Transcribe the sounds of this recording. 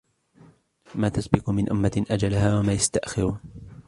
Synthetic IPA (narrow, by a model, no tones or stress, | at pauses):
maːt̪asbɪqʊmɪnʔʊmːaʔad͡ʒalahaːwamaːjast̪aʔxɪɾ